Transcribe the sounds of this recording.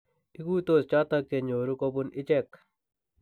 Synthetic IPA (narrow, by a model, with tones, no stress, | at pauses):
i˦ku˦to˦˨st͡ʃɔ˦ta˦k̚t͡ʃe˨ɲo˨ɾu˦ko˦bu˦nɪ˦t͡ʃɛ˦˨k